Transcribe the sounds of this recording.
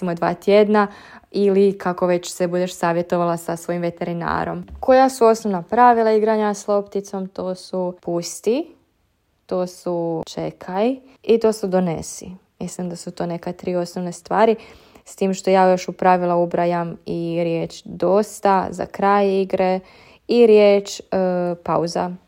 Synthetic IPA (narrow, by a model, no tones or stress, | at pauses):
imod̪ʋa̰ːt̪jed̪na | ilikʰako̞ʋe̞t͡ɕsebud̪eʃsaːʋje̞t̪o̞ʋalasasʋo̞jimʋe̞t̪e̞ɾina̰ːɾo̞̰mko̞jasuo̞snoʋnapɾaʋilˠaiɡɾaɲaslˠo̞pt̪it̪so̞mt̪o̞ːsupust̪i | t̪oːsut͡ʃe̞kʰai | it̪o̞ːsud̪o̞nḛsḭmislimd̪asut̪oːne̞kat̪ɾiːo̞snoʋnest̪ʋaːɾi | st̪iːmʃt̪ojaːjo̞ʃupɾaʋilaubɾajamiɾjeːt͡ʃd̪o̞st̪aza̰kɾaːjiɡɾe | iɾjeːt͡ʃpauza̰